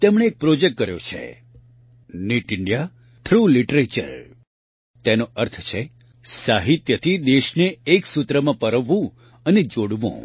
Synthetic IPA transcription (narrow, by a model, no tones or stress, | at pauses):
t̪emɳ̃eːk̚pɾod͡ʒek̚ʈ̚ːkəɾjo̰t͡ʃʰḛ | niʈɪɳɖija | t̪ʰɾuliʈɾet͡ʃə̰ɾ | t̪enoəɾt̪ʰt͡ʃʰe | saɦit̪jət̪ʰid̪eʃneːksut̪ɾəmãpəɾəʋːũ | əned͡ʒoɽʋṵ̃